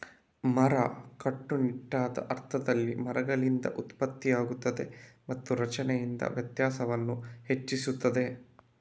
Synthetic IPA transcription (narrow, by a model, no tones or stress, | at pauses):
mɐɾɐkɐʈːuniʈːaːd̪ɐ̰ʔɐɾt̪ʰɐd̪ɐlːimɐɾɐɡɐɭind̪ɐ̰ʔut̪pɐt̪ːijaːɡut̪ːɐd̪e̞̰mɐt̪ːuɾɐt͡ʃɐnɛjind̪ɐ̰ʋjɐt̪jaːsɐʋɐnːuhe̞t͡ʃːisut̪ːɐd̪e̞